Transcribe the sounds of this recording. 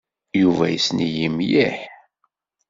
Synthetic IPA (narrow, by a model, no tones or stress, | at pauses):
juvæjəsnijimjiħ